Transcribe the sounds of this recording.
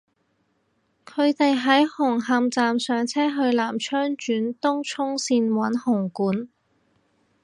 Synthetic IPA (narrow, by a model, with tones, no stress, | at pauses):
kʰɵ˨˧ɥt̪e˨jɦɐ˨˥jhʊ˨˩ŋɦɐ˨˧mt͡saː˨msœː˨ŋt͡sʰɛː˥ɦɵ˧ɥlaː˨˩mt͡ʃʰœː˥ŋt͡ʃyː˨˥nt̪ʊ˥ŋt͡ʃʰʊ˥ŋsiː˧nwɐ˨˥nhʊ˨˩ŋkuː˨˥n